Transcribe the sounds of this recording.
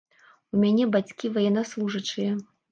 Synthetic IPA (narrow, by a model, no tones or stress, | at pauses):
umʲanʲɛbat͡sʲkʲivɐjɛnːaslˠuʐɐt͡ʂɨjɐ